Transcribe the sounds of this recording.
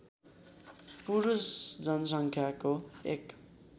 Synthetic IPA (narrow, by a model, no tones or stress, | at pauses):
puɾusd͡zʌnʌs̬ʌŋkʰjakoek